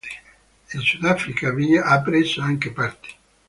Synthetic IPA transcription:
ilsud̪afɾikaviːaʔapːɾezoaŋkepart̪e̥

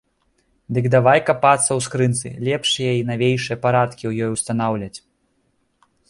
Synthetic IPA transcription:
d̪ɨɡd̪avajkapat̪sːɐwskɾɨnt̪sɨ̰lʲɛpʂijɛinavʲejʂɨjɐpaɾat̪kʲiwjɔjuwst̪anawlʲɐt͡sʲ

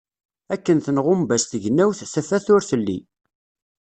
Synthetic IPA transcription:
ækːənθənʁʊmbæst̪əʝnːæwθθæfæθʊɾθəlːḭ

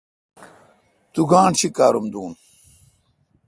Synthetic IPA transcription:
t̪uɡaːɳɕʰikaːɾumd̪uːn

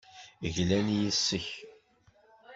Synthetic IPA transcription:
ʝlænjisːəç

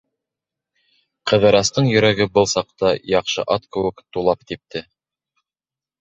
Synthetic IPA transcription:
qɤ̆ðɤ̆ɾɑst̪ɤɴjɵ̆ɾæɡɘbɤlˠsɑq̚t̪ɑjɑqʃɤ̰ʔɑt̪kɘ̆wɘkt̪ulˠɑp̚t̪ip̚t̪ɘ

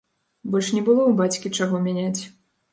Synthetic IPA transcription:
bɔlʲʂnʲɛbɨlˠɔwbat͡sʲkʲit͡ʂaɣɔmʲanʲat͡sʲ

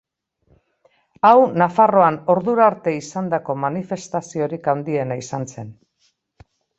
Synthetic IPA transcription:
awnafaro̞ano̞ɾðuɾaɾt̪e̞isand̪ako̞manife̞st̪asio̞ɾikand̪ie̞naisanse̞n

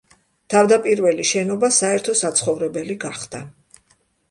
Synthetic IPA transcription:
t̪ʰavd̪apʼiɾvɛliʃɛnɔbasaɛɾt̪ʰɔsat̪sʰχɔvɾɛbɛliɡaχd̪̥a

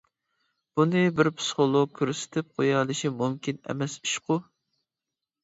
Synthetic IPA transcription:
b̥unɨbɪɾpʰsɨ̥χolˠoɡ̚kʲʰøɾsɪ̥t̪ʰɪp̚qʰojɑlˠɨʃimumkʲinɛ̰mɛsy̥ʃqʊ

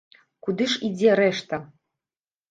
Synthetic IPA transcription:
kud̪ɨʂid͡zʲɛɾɛʂt̪ɐ

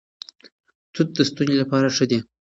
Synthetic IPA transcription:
t̪ut̪̚d̪əst̪unzelapɑɾaʂəd̪e

